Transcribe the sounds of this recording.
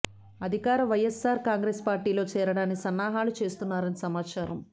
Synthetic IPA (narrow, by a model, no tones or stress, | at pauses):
ɐd̪ʱikaːɾɐʋɐjesːaːɾkaːŋɡɾeːspaːɾʈiːlo̞ːt͡ʃɛːɾɐɽaːnikisɐnːaːɦaːlut͡ʃe̞ːst̪unːaːɾɐnisɐmaːt͡ʃaːɾɐm